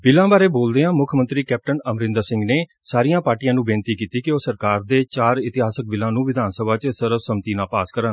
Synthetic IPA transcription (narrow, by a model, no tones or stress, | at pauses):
bɪlãːbaːɾeːboːld̪eːãːmʊkʰmənt̪ɾiːkɛːp̚ʈənəmɾɪ̃nd̪əɾsɪ̃ŋɡneː | saːɾijãːpaːɾʈijãːnũːbeːnt̪iːkiːt̪iːkɪoːsəɾkaːɾd̪eːt͡ʃaːɾɪt̪ɪɦaːsək̚bɪlãːnũːʋɪd̪aːnsəbʱaːt͡ʃsəɾəfsəmt̪iːnãːpaːskəɾən